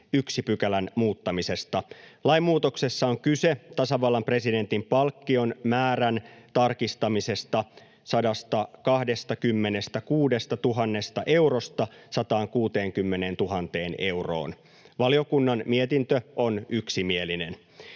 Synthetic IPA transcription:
yksipykælænmuːt̪ːɑmise̞st̪ɑlɑimmuːt̪okse̞sːɑoŋkyset̪ɑsɑʋɑlːɑmpre̞side̞nt̪impɑlkːio̞nmæːɾænt̪ɑrkist̪ɑmise̞st̪ɑ | sɑdɑst̪ɑkɑhde̞st̪ɑkymːene̞st̪ækuːde̞st̪ɑt̪uɦɑnːe̞st̪ɑʔe̞urost̪ɑsɑt̪ɑːŋkuːt̪e̞ːŋkymːene̞ːnt̪uɦɑnt̪e̞ːne̞wro̰ːn | ʋɑlio̞kunːɑnmiet̪int̪øonyksimielinen

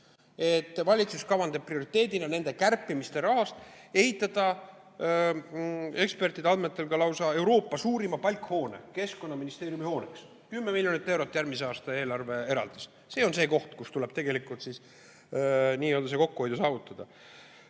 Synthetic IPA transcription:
e̞t̪ːvɑlʲit̪suskɑvɑnd̪ep̚pːrio̞ɾit̪ːˑe̞ːd̪inɑne̞nd̪e̞kærpːˑimist̪e̞ɾɑɦɑst̪e̞ɦit̪ːˑɑd̪̥ɑ | e̞kspe̞rt̪ˑid̪eɑd̪met̪ːˑe̞lkɑlɑwsɑe̞wɾo̞ːpːɑsuːɾimɑpɑlʲkho̞ːne̞̰ke̞sko̞nːɑminist̪e̞ːɾjumiho̞ːnḛks | kymːemilʲjo̞nit̪ːˑe̞wɾo̞t̪ˑːjærmiseɑːst̪ɑe̞ːlɑrve̞e̞ɾɑ̰ld̪̥es | se̞ːo̞nse̞ːko̞ht̪kust̪ule̞b̥t̪e̞ɡe̞likult̪sis | niːøld̪ɑseko̞kːuo̞jd̪̥usɑːvut̪ːˑɑd̪̥ɑ̰

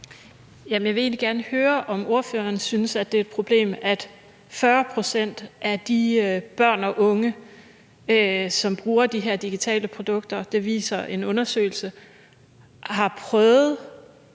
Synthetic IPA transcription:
jæmjɑ̈ɪʋe̝e̝̰ːnliɡ̥æɐnəhøːɐʔɒ̽mo̝ɐføːɐnsynəsæd̥e̝ed̥̚pʰʁo̝b̥le̝̰ːmæd̥ | fɶːɐpʰʁo̝sen̰d̥ʔæd̥ib̥ɶɐ̰nɒ̽ʔɔ̽ŋə | øsɒ̽mb̥ʁuːɐd̥iɦeɐ̰d̥iɡ̥it͡sʰɛ̰ːləpʰʁo̝d̥ɔ̽ɡ̥̚d̥ɐd̥e̝ʋḭːsɐʔe̝nɔ̽nɐsø̰ɪl̩sə | hɑ̈pʰʁœːʊð̞̩ˠ

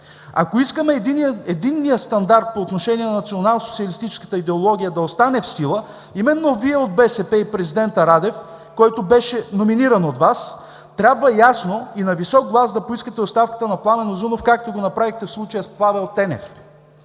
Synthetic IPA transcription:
a̰koiskəmɛd̪inɛd̪inːijəst̪ɐnd̪aɾt̪̚poːt̪noʃɛniɛnɐnɐt̪sionalˠsot̪siɐlist̪it͡ʃɛ̥skə̥t̪əid̪ɛolˠɔɡʲijəd̪ɐost̪anɛfsilˠə | imɛnːoviɛod̪̚bɛsɛpɛipɾɛzid̪ɛnt̪əɾad̪ɛf | kɔjt̪obɛʃɛnominiɾənot̪vas | t̪ɾʲabvəjasnoinɐvisɔkɡlˠasd̪ɐpoiskət̪ɛost̪afkə̥t̪ənɐplˠamɛnozunofkak̚t̪oɡonɐpɾavixt̪ɛfslˠut͡ʃəjəspavɛlˠt̪ɛnɛ̰f

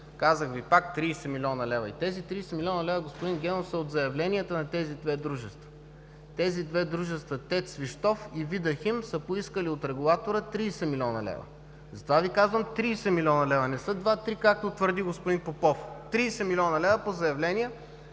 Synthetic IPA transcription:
kazəɣvipakt̪ɾiːsɛmilʲiɔnɐlɛvɐḭt̪ɛzit̪ɾiːsɛmilʲɔnəlɛvəɡospod̪inɡʲɛnosəod̪zɐjɐvlɛnijət̪ənɐt̪ɛzid̪vɛd̪ɾuʒɛst̪və̥ | t̪ɛzid̪vɛd̪ɾuʒɛst̪vət̪ɛt̪sviʃt̪ɔfivid̪ɐximsəpoiskəliot̪ɾɛɡulˠat̪oɾət̪ɾiːsɛmilʲiɔnɐ̰lɛ̰və̰ | zɐt̪ovavikazvəmt̪ɾiːsɛmilʲɔnəlɛvənɛsɤd̪vat̪ɾikak̚t̪ot̪vəɾd̪iɡospod̪inpopɔft̪ɾiːsɛmilʲiɔnɐlɛvəpozɐjɐvlɛnʲiɛ

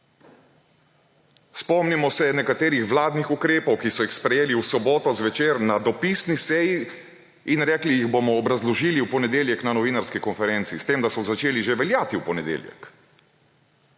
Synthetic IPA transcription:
spɔmnimɔsɛnɛkat̪eːɾixʋlaːd̪nixukɾeːpɔwkisɔjixspɾɛjeːliwsɔbɔːt̪ɔzʋɛt͡ʃeːɾnad̪ɔpisnisɛji | inɾɛːklijiɣbomɔːbɾazlɔʒiliwpɔnɛd̪eːljɛknanɔʋiːnaɾskikɔnfɛɾent̪sist̪eːmd̪asɔzat͡ʃeːliʒeʋɛljaːt̪iwpɔnɛd̪ḛːljɛ̰k

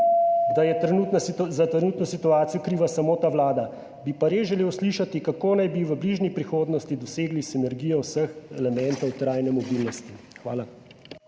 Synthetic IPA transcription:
d̪ajɛt̪ɾut̪nzat̪ɾɛnuːt̪nɔsit̪uaːt̪sijɔkɾiːʋasamoːt̪aːʋlaːd̪a | bipaɾeːʒɛleːwsliʃat̪ikakoːnajbiʋəbliʒnipɾixoːd̪nɔst̪id̪ɔseːɡlisinɛɾɡijɔwsəxɛ̰lɛmɛnt̪ɔwt̪ɾaːjnɛmɔbiːlnɔst̪ixʋaːla

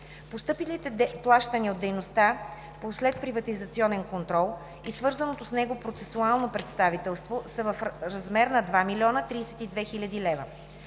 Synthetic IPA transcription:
post̪ɤpilit̪ɛplˠaʃt̪əniod̪ːɛjnost̪a | poslɛt̪̚pɾivɐt̪izɐt̪siɔnɛnkont̪ɾɔlˠ | isvɤɾzənot̪osnɛɡopɾot̪sɛsualˠnopɾɛt̪st̪avit̪ɛlˠst̪vosəvɐfɾɐzmɛɾnɐd̪vamilʲiɔnət̪ɾiːsɛt̪id̪vɛxilʲɐd̪ilɛvə

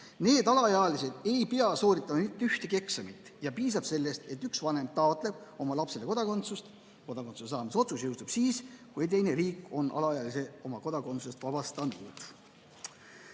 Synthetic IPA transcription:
ne̞ːd̪ɑlɑjɑɑlise̞d̪̥e̞jpeɑso̞ːɾit̪ˑːɑmɑmit̪ːyht̪e̞ke̞ksɑmit̪ːˑjɑpiːsɑb̥se̞lːest̪e̞t̪ːˑyksvɑne̞mt̪ɑo̞t̪ˑle̞b̥o̞mɑlɑpse̞le̞ko̞d̪̥ɑkont̪sust̪ | ko̞d̪̥ɑko̞nsusesɑːmiso̞t̪susjɤwst̪ub̥siːskujt̪e̞jneɾiːkːˑo̞nʔɑ̰lɑɑjɑlise̞o̞mɑko̞d̪ɑko̞nsusest̪vɑb̥ɑst̪ɑnd̪ud̪̥

